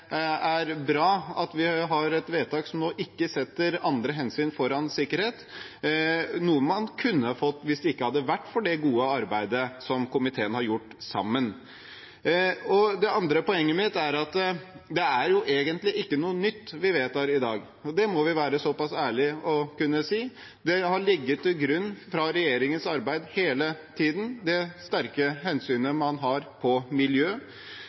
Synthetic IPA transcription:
æɾbɾɑːɑt̪ʋɪɦɑɾɛt̪ʋeːt̪ɑːksɔmnoːʔɪkːəsɛt̪ːəɾɑnd̪ɾəɦɛnsyːnfɔɾɑnsɪkːəɾheːt̪ | nuːəmɑnkʰʉnːəfɔt̪ːʋɪsd̪ɛɪkːəhɑd̪ːəʋæʈːfɔɖɛɡuːəɑɾbæɪd̪əsɔmkʊmɪt̪ʰeːənhɑɾjʊʈːsɑ̰mːən | ɔd̪ɛɑnd̪ɾəpɔɛŋːəmɪt̪ːæɾɑt̪d̪ɛæɾjʊʔeːɡənt̪lɪʔɪkːənuːənʏt̪ːʋɪʋeːt̪æɾɪd̪ɑːɡ | ɔd̪ɛmɔʋɪʋæːɾəsɔpɑsæːɭɪɔkʉnːəsiː | d̪ɛhɑɭɪɡːət̪ʰːɪlɡɾʉnːfɾɑɾɛjeːɾɪŋənsɑɾbæɪd̪heːlət̪ʰiːd̪n̩d̪ɛst̪æɾkəhɛnsyːnəmɑnɦɑɾpʰɔmɪljøː

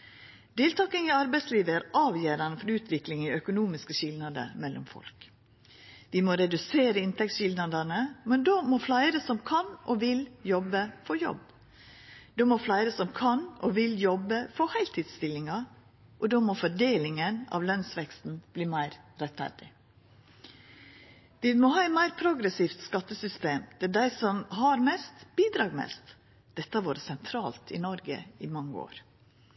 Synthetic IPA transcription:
d̪̥eːlt̪ʰɑːkənɪɑɾbæɪsliːʋəæɾʔɑːʋjøːɾɑnəfɔɾʉːt̪ʰʋɪklɪŋiœkʊnuːmɪskəʃɪlnɑd̪ə̰mɛlʔʊ̰mfɔ̰lk | d̪ɪmoːɾɛd̪ʉseːɾəɪnt̪ʰɛk̚t̪sʃɪld̪nɑd̪ɑnəmɛnd̪oːmɔflæɪɾəsɔmkʰɑnʔɔʋɪljɔbːəfɔɾjɔ̰b | d̪oːmɔflæɪɾəsɔmkʰɑnɔʋɪljɔbəfɔhæɪlt̪ʰiːd̪st̪ɪlːɪŋɑ | ʔɔd̪oːmɔfɔɖeːlɪŋənɑ̰ʋlœnsʋɛkst̪n̩b̥liːmæɪɾɾɛt̪fæ̰ɾɖɪ | d̪̥ɪmɔɦɑːɛt̪mæɪɾpʰɾʊɡɾəsiːft̪skɑt̪ːəsʏst̪eːmd̪̥ɛæɖæɪsɔmɦɑɾmɛst̪b̥iːd̪ɾɑːɡmɛ̰st̪ | d̪̥ɛt̪ːəɑʋoːɾəsɛnt̪ʰɾɑːlt̪ʰɪ̰nɔɾɡə̰ɪmɑŋːəo̰ːɾ

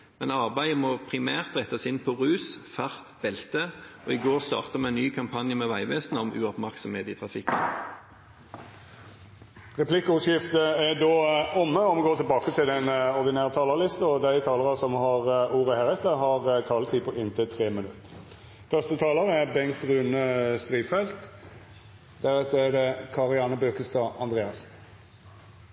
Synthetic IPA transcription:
mɛnɑʁbæɪəmɔːpʰʁɪmæːʁt̪ʁɛt̪ːɑsɪnpʰɔʁʉːsfæʁt̪b̥ɛlt̪əɔɪɡoːʁst̪ɑ̰ːʁt̪əmɛnːyːkʰɑmpʰɑnjəmɛʋæɪʋeːsnəɔmʉ̰ɔpmæʁksɔmheːt̪iːt̪ʰʁɑfɪkːə̰n | ʁɛpʰlɪkːəʊʂjɪft̪əæd̪oːʊmːəɔmɔɡoːt̪ʰɪlbɑːkət̪ʰɪld̪ɛnɔʁd̪ɪnæːʁət̪ʰɑːləʁlɪst̪əɔd̪æɪt̪ʰɑːləʁɑsɔmhɑʁuːʁəhæːʁɛt̪əɦɑʁt̪ʰɑːlət̪ʰiːpʰɔʔɪnt̪ʰɪt̪ʰʁeːmənʉt̪ːə̥ | fœʁst̪ət̪ʰɑːləʁæbɛŋkt̪ʁʉːnəst̪ʁiːfɛlt̪ | d̪̥æʁʉːt̪əɛd̪ɛkʰɑʁɪɑːnəbøːkəst̪ɑːʔɑnd̪ʁeːɑsn̩

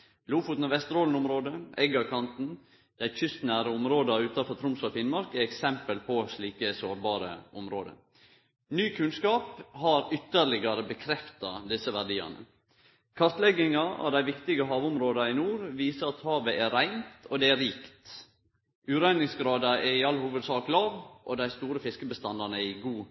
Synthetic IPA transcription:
luːfuːt̪nɔʋɛst̪əɾoːlən̩ʊmɾoːd̪əɛɡɑkʰɑnt̪n̩ | d̪̥æɪçʏst̪næːɾəʊmɾoːd̪ɑʉːt̪ɑfɔt̪ʰɾʊmsɔfɪnmɑɾkɛɛksɛmpəlpʰɔʂɭiːkəsoːɾbɑːɾə̰ʔʊmɾoːd̪ə̰ | nyːkʰʉnskɑːphɑɾʏt̪ːəɾlɪɡɑɾəbəkʰɾɛft̪ɑd̪ɪsəʋæɖiːɑ̰nə̰ | kʰɑɾt̪lɛɡɪŋɑɑ̰ʋd̪æɪʋɪkt̪ɪɡəɦɑːʋʊmɾoːd̪ɑɪnuːɾʋiːsəɾɑt̪hɑːʋəʔɛɾæɪnt̪ɔd̪ɛæɾiːkt̪ | ʔʉːɾæɪnɪŋsɡɾɑːd̪ɑɛɾɪɑlːhuːʋəd̪sɑːklɑːʋʔɔd̪æɪst̪uːɾəfɪskəbəst̪ɑnɑnəɪɡuː

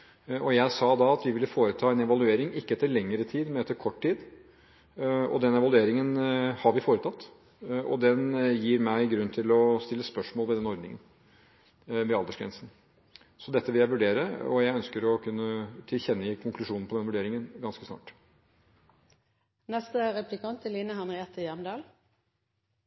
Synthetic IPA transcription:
ɔjæɪsɑːd̪ɑɑt̪ʋɪʋɪlːəfoːɾət̪ʰɑːɛnɛʋɑlʉeːɾɪŋɪkːəɛt̪ːəɾɭɛŋːəɾət̪ʰiːd̪mɛnɛt̪ʰːəɾkʰɔʈʰːiːd̪ | ɔ̰d̪ɛnɛʋɑlʉeːɾɪŋənhɑɾʋɪfoːɾət̪ʰɑt̪ː | ɔ̰d̪ɛnjiːɾmæɪɡɾʉnːt̪ʰɪlɔst̪ɪlːəspœʂmoːlˠʋɛd̪ɛnɔɾd̪nɪ̰ŋə̰n | ʋɛɑld̪əʂɡɾɛ̰nsn̩ | sɔd̪ɛt̪ːəʋɪljæɪʋʉɖeːɾəɔ̰jæɪœnskəɾɔkʰʉnːət̪ʰɪlçɛnːəɪkʰʊŋklʉʂuːnn̩pɔd̪ɛnəʋʉɖeːɾɪŋənɡɑnskəsnɑ̰ːʈ | nɛst̪əʁɛplɪkʰɑnt̪ʰːɪlːiːnəɦɑnʁɪɛt̪ʰəjæmd̪ɑːl

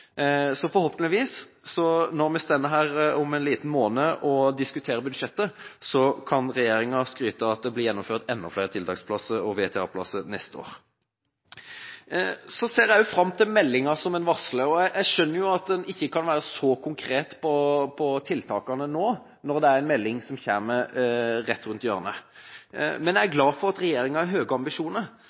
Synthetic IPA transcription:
sɔfɔhoːpənɪʋiːsːɔnɔʁmɛst̪ɛnːəɦæːɾɔmɛnliːt̪ən̩moːnəʔɔd̪ɪskʉt̪ʰeːɾəbʉd̪ʃɛt̪ːəsɔkʰɑnʁɛjeːɾɪŋɑskɾyːt̪əɑt̪̚d̪ɛblɪɾjɛnːʊmføːʁt̪ɛnːɔfleːɾət̪ɪlt̪ʰɑːkspʰlɑsəɾɔʋeːt̪ʰɛɑ̰ːpʰlɑ̰sənɛst̪əo̰ːʁ | sɔseːʁjæjʊfɾɑmːt̪ʰɪlmɛlːɪŋɑsɔmɛnʋɑʁsləɔææɪʂœnːəɾjʊɑt̪̚d̪ɛnɪçːəkʰɑnʋæːɾəsɔkʰʊŋkʰɾeːt̪pʰɔpʰɔt̪ʰɪlt̪ʰɑːkɑnənoː | nɔʁɾd̪ɛæɾɛnmɛlːɪŋsɔmçæːʁməʁɛt̪ːɾʉnt̪jøːʁənə | mɛnjæɪæɡlɑːfɔʁɑt̪ɾɛjeːɾɪŋɑæɦøːɡəɑmbɪʂuːnəɾ

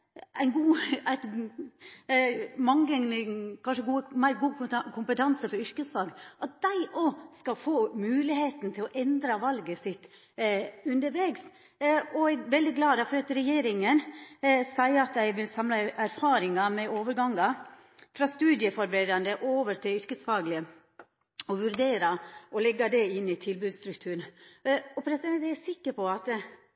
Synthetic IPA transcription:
ʔæɪnɡuːæt | mɑŋəkʰɑnʂəɡuːəmæɪɾɡuːkʰʊmpət̪ʰɑnsəfɔɾʏɾkəsfɑɡʔɑt̪̚d̪̥æɪʔɔskɑlfoːmʉːlɪheːt̪n̩t̪ʰɪlɔʔɛnd̪ɾɑʋɑlɡəsɪt̪ː | ʉnd̪əɾʋeːɡs | ɔæɡʋɛld̪ɪɡlɑːd̪ɑfɔɾɑt̪ɾɛjeːɾɪŋənsæɪɑt̪æɪʋɪlsɑmlɑæɾfɑːɾɪŋɑmɛoːʋəɾɡɑŋːɑ | fɾɑst̪ʉːd̪ɪəfɔɾbɾeːd̪ɑnd̪əʔoːʋəɾt̪ʰɪʏɾkəsfɑːɡlɪə | ɔʋʉɾd̪eːɾɑɔlɛɡːɑd̪ɛɪnːɪt̪ʰɪlbʉːd̪st̪ɾʉkt̪ʰʉːɳ | ɔpʰɾɛsɪd̪ɛnææsɪkːəɾpʰɔɑt̪

